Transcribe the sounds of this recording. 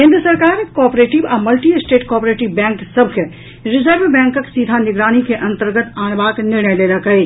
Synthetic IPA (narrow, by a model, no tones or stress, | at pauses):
ɦẽnd̪ɾəsəɾkaːɾkɔːpɾeːʈɪʋaːmɐlʈiesʈeːʈkɔːpɾeːʈɪʋbɛ̃ːŋksɐb̚ʱkʰe | ɾɪzəɾʋbɛ̃ːŋkəksid̪ʱanɪɡɾaːnikeʔɐ̃nt̪əɾɡət̪aːnbaːknɪɾɳəjleləkɦəi